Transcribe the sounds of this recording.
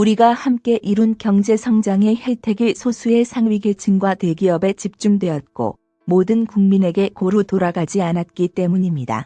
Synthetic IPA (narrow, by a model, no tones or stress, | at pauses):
uɾiɡahamk͈e̞ʔiɾunkjʌŋd͡ʑe̞sʰʌŋd͡ʑaŋe̞heɭtʰe̞ɡiɭsʰosʰue̞sʰaŋɥiɡe̞t͡ɕʰinɡwatwe̞ɡiʌbe̞t͡ɕip̚t͡ɕ͈umdwe̞ʌt̚k͈o̰ | modɯnkuŋmine̞ɡe̞koɾɯtoɾaɡad͡ʑianat̚k͈it͈e̞muɲimɲida̰